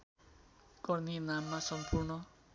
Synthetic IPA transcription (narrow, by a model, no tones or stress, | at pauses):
ɡ̥ʌrnenamːasʌmpʰurnʌ